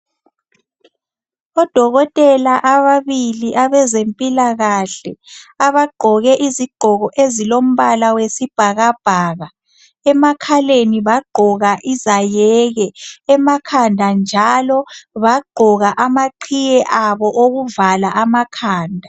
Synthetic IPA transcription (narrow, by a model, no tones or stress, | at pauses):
ɔd̥ʱɔɣɔtʼɛlaʔaβaβiliʔaβɛzempʼilaɣaɬɛaβaɡ͡ǃʱɔɣɛʔiziɡ͡ǃʱɔɣɔʔezilom̩βalawesib̥ʱaɣab̥ʱaːɣa | ɛmakʰaleniβaɡ͡ǃʱɔɣaʔizajɛɣɛɛmakʰandʱand͡ʒʱalɔβaɡ͡ǃʱɔɣaʔamaǃʰijɛʔaβɔʔoɣuvalaʔamakʰaːndʱa